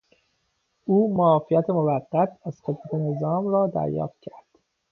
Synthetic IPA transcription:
ʔuːmɒːfijæt̪ʰemovæɢːæt̪ʰæz̥χe̞d̪mæt̪ʰe̞ne̞zɒːmɾɒːd̪æ̰ɾjɒ̰ːft̪̚cʰæɾd̪̥

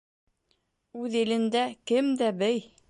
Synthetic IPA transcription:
ʉðɘ̆lɘ̆nd̪ækɘmd̪æbɘj

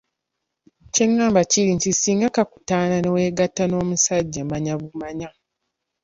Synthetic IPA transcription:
ce̞ŋːaːmbaciɾintisiːŋɡakaku̥taːnane̞we̞ːɡatːano̞ːmusaɟːamaɲaβumaɲa

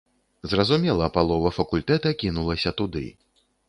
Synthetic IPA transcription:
zrɐzumʲɛlˠɐpalˠɔvɐfɐkulʲt̪ɛt̪ɐkʲinulˠɐsʲɐt̪ud̪ɨ̰

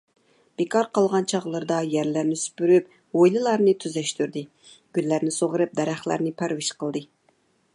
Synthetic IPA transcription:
b̥ekʰɑɾqɑlˠʁɑnt͡ʃʰɑʁlˠɨɾd̪ɑjæɾlæɾnɪsy̥pyɾyp̚ | ojlˠɨlˠɑɾnɨt̪ʰyzɛʃt̪yɾd̪ɨ | ɡ̥ʲylːæɾnɪsoʁəɾɨp̚d̪ɛɾæχlˠæ̰ɾnɪpʰæɾwɪʃqəlˠd̪ɨ

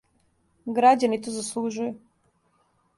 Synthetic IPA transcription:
ɡɾad͡ʑanit̪ozaslˠuʒuju

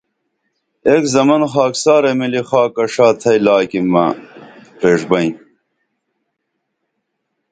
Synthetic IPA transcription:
ekzɐmɐnxaːksaːɾemilixaːkːɐʂaːt̪ʰɐjlaːkimːɐ̰pɾeːʂbɐĩ

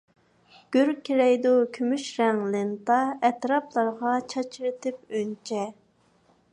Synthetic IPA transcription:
ɡ̥ʲøɾkʲʰiɾɛjd̪ukʲʰymyʃɾɛŋlɪnt̪ɑɛt̪ɾɑplˠɑɾʁɑt͡ʃʰɑt͡ʃʰiɾɨt̪ɪp̚ønt͡ʃʰɛ

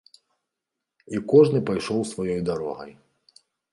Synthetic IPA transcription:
ikɔʐnɨpajʂɔwsvajɔjd̪aɾɔ̰ɣɐ̰j

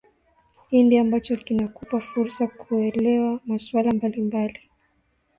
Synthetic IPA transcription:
hindiambat͡ʃɔkinakupafuɾsakʰuɛlɛwamaswalambalimbali

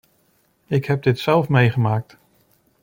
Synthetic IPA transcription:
ɪkɦɛp̚dɪtsɛlˠfmejχəmaːk̚t

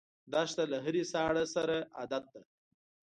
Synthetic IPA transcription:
d̪ɑʃt̪alaɦəɾesɑɽasaɾaad̪at̪̚d̪a

